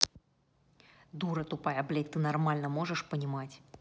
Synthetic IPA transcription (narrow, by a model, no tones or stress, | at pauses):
d̪uɾɐt̪upajɐblʲɛt̪ːɨnarmalʲnɐmɔʐɨʂpənʲimat͡sʲ